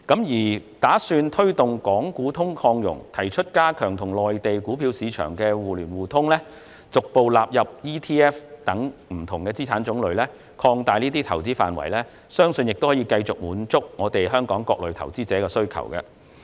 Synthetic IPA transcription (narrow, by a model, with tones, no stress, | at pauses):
kɐ˨˥mjiː˨˩t̪aː˨˥syː˧nt̪ʰɵ˥ɥt̪ʊ˨ŋkɔː˨˥ŋkuː˨˥t̪ʰʊ˥ŋkʰɔː˧ŋjʊ̰˨˩ŋt̪ʰɐ˨˩jt͡ʃʰɵ˥t̚kaː˥kʰœː˨˩ŋt̪ʰʊ˨˩ŋlɔː˨jt̪e˨jkuː˨˥pʰiː˨˧wsiː˨˧t͡ʃʰœ̰ː˨˩ŋkɛː˧wuː˨lyː˨˩nwuː˨˩t̪ʰʊ˥ŋlɛː˥ | t͡sʊ˨k̚po˨wlaː˨p̚jɐ˨p̚jiː˥t̪ʰiː˥ɛː˥ft̪ɐ˨˥ŋm̩˨˩t̪ʰʊ˨˩ŋkɛː˧t͡siː˥t͡sʰaː˨˥nt͡sʊ˨˥ŋlɵ˨˧ɥlɛː˥ | kʰɔː˧ŋt̪aː˨jniː˥t̪iː˥t̪ʰɐ˨˩wt͡siː˥faː˨nwɐ̰˨˩jlɛː˥ | sœː˥ŋsɵ˧njɪ˨k̚t̪whɔː˨˥jiː˧kɐ˧jt͡sʊ˨k̚muː˨˥nt͡sʊ˥k̚ŋɔː˨˧t̪e˨jɦœː˥ŋkɔː˨˥ŋkɔ̰ː˧k̚lɵ˨˧t̪ʰɐ̰˨˩wt͡siː˥t͡sɛː˨˥kɛː˧sɵ˥ɥkʰɐ̰˨˩wkɛ̰˧